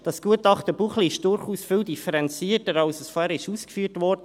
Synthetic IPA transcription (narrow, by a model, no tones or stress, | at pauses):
d̥ɑsɡ̥uətɑχt̪əbuχliɪʃd̥ʊɾχuːsfɪːldifəɾɛnt͡siːətəɾɑlsəsfohæɾɪʃuːskfyːtvɔrdə